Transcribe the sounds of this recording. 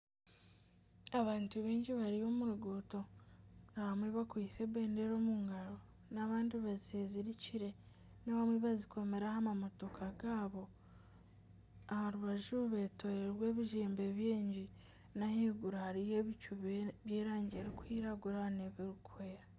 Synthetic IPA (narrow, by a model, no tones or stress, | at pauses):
aβaːntuβiːɲɟiβaɾijo̞muɾuɡuːto̞naβamweβakwise̞βe̞ːndeɾo̞ːmuŋɡaɾo̞ | naβaːndiβazieziɾiciɾe̞ | naβamweβaziko̞me̞ɾahamamoto̞kʰaɡaːβo | ahaɾuβaʒuβe̞tʰoːɾeɾwe̞ːβiʒeːmbe̞βjeːɲɟi | nahiːɡuɾahaɾijeβicuββjeːɾaːɲɟeːɾikuhiːɾaɡuɾaneβiɾukwe̞ːɾa